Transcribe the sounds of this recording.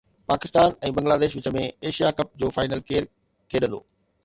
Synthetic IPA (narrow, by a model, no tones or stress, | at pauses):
paːkɪst̪aːnɛ̃ːbɐ̃ŋɡlaːd̪eːʃʋɪt͡ɕə̆mẽeːʃijakɐp̚d͡ʑoːfaːɪnəlkeːɾ | kʰeːɗə̃nd̪o̰ː